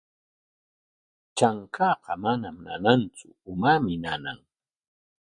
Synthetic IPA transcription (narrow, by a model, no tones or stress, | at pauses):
t͡ʃaŋkʰɑːqɑmanamna̰nant͡sʊʊmamɪnana̰ŋ